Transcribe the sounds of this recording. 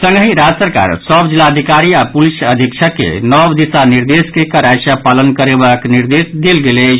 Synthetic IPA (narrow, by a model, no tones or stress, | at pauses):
sə̃ŋɡɦĩɾad͡ʒəsəɾka̰ɾsəbd͡ʒilːaəd̪ʱikaɾiapulisəd̪ʱikt͡ʃʰəkːḛnɔbd̪isaniɾd̪eskekəɾasapalənkəɾebakniɾd̪esd̪elɡele